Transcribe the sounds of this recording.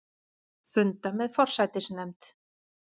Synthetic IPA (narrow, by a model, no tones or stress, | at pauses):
fʏnt̪amɛðfɔr̥sajt̪ɪsnɛmt̪